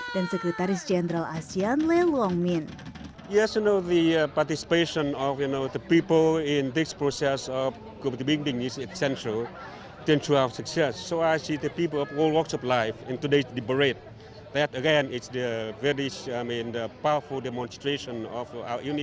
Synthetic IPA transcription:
d̥ansɛkɾɛt̪aɾɪsd͡ʒɛnɾalasianlelɔŋmin | jɛsjunoðəpaɹt̪isi̥peʃɔ̃nɔfjunoðəpipəlɪ̃ndɪspɹosɛsɔf | ɡotibiŋdĩŋɪsɛksɛ̃nʃɹəl | t̪ɛ̃ntɹuawəsuksɛsːoajsidəpip̬əlɔlwɔksɔplaɪfɛ̃nt̪udesdibəɹet̪̚ | ðɛtəɡɛ̃nɪtsdəvɛɹisamĩndəpawəfuldɛmɔ̃nstɹeʃɔ̃nɔfa̰wəjuni

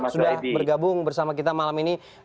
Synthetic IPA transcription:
sudahbərɡabʊŋbərsamak̬it̪amalamini

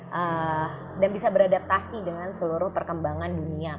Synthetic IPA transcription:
ʔə | danbisabəɾadap̚t̪asidəŋansəluɾʊhpərkəmbaŋandunia

